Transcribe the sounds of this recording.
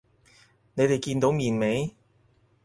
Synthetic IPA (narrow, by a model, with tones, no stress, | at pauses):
ne˨˧jt̪e˨jkiː˧nt̪o˨˧˥wmiː˨nme˨˧j